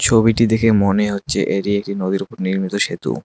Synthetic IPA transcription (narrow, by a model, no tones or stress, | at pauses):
t͡ɕʰobiʈid̪ekʰemoneɦotːɕʰeʔeʈiek̚ʈinod̪iɾupoɾniɾmit̪oʃet̪ṵ